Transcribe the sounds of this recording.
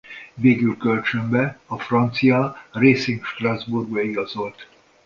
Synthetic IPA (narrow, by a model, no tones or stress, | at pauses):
veːɡylkølt͡ʃømbɛɒfrɒnt̪sijɒreːsiŋkʃt̪razburɡbɛiɡɒzo̞lt̪